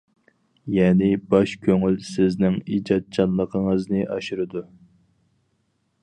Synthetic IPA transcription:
jɛːnɪbɑʃkʲʰøŋylsɪznɪŋid͡ʒɑt̪̚t͡ʃʰɑnlˠːəqʰəŋəznɨʔɑʃuɾɨd̪u

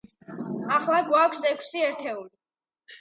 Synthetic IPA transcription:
aχlˠaɡwakʷʰsɛkʷʰsiɛɾt̪ʰɛuli

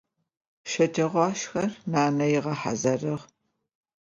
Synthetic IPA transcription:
ʃɐtʰɐʁʷɑːʃxɐrnaːnɐjɪʁɐħa̰zɐrɨʁ

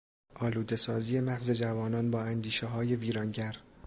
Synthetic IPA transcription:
ʔɒːluːd̪e̞sɒːziːe̞mæɣze̞d͡ʒævɒːnɒːnbɒːænd̪iːʃeɦɒːje̞viːɾɒːnɟæɾ

